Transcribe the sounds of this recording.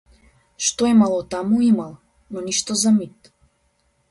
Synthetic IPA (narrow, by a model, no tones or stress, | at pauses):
ʃt̪ɔɛmalˠɔt̪amuimalˠ | nɔniʃt̪ɔzamit̪